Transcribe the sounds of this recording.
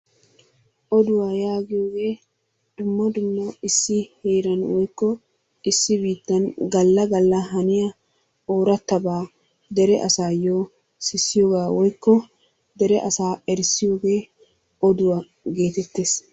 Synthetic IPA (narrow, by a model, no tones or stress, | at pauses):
ʔɔd̪ʊwaːjaːɡɪjo̞ːɡe̞ː | d̪̥ʊmːɐd̪ʊmːɐɪsːɪheːɾɐnwɔjkːɔ | ɪsːɪbiːt̪ːɐnɡɐlːɐɡɐlːɐɦɐnɪjɐ | oːɾɐt̪ːɐbaː | d̪ɛɾɛʔɐsaːjoː | sɪsːɪjoːɡaːwɔjkːɔ | d̪ɛɾɛʔɐsaːɛɾsɪjo̞ːɡe̞ː | ɔd̪ʊwa | ɡe̞ːt̪ɛt̪ːeːs